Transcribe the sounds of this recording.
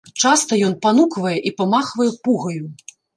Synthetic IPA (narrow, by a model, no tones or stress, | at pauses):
t͡ʂast̪ɐjɔnpanukvɐjɛʔipamaxvɐjɛpuɣɐju